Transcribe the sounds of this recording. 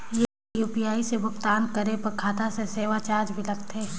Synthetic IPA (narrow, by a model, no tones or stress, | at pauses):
je | juːpijaːisebʱʊkt̪aːnkɐɾepɐɾkʰaːt̪aseseːʋat͡ʃaːɾd͡ʒbʱilɐɡ̚t̪eː